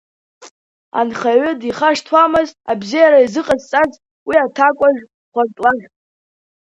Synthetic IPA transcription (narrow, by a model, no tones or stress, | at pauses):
a̰nχaʕʷʏdiχaʂtʰwamɨzabzijaɾaizɨqʼazt͡sʼaz | wiatʰakʷʼaʒᶣ | χʷartʼwaʒʲ